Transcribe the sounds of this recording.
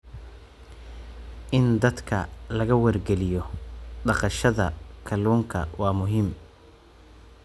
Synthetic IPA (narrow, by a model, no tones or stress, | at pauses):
ʔɪnd̪ɐd̪kʰɐ̰lɐɣɐwɐrɡɛlɪjɔɖɑqɑʃɐðɐkʰɐluːŋkʰɐ̰wɑːmʊɦɪm